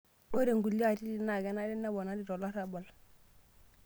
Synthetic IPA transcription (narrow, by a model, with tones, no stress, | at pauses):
o˦ɾe˨ŋɡu˨li˦a˦ti˦di˨na˨ɡe˨na˦di˦nːa˦bo˨na˦di˦˨ɾo˨la˦ɾa˦bo˨l